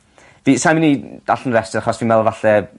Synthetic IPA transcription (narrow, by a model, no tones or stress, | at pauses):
visajmɪnid̥aɬənrɛstəɾaχɔsviːnmɛlˠvaɬɛ